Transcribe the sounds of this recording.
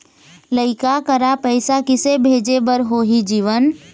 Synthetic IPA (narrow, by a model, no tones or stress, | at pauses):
ləɪkakəɾapəɪsakɪsebʱeːd͡ʒebəɾɦoɦid͡ʒiːʋən